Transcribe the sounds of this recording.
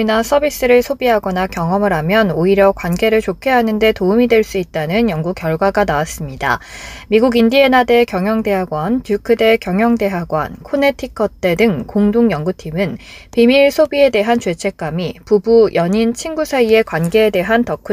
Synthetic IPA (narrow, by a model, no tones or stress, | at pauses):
inas͈ʰʌbis͈ɯɾɯɭsʰobiɦaɡʌnakjʌŋʌmɯɾɦamjʌnoiɾjʌkwanɡe̞ɾɯɭt͡ɕokʰe̞ɦanɯnde̞toumidwe̞ɭs͈uit̚t͈anɯnjʌŋɡukjʌɭɡwaɡanawas͈ɯmɲida̰miɡuɡindie̞nade̞kjʌŋjʌŋde̞ɦaɡwantjukʰɯde̞kjʌŋjʌŋde̞ɦaɡwa̰nkʰone̞tʰikʰʌt͈e̞dɯŋkoŋduŋjʌŋɡutʰimɯnpimiɭsʰobie̞de̞ɦant͡ɕwe̞t͡ɕʰe̞k͈amipubujʌɲint͡ɕʰinɡusʰaie̞kwanɡe̞ːde̞ɦantʌkʰu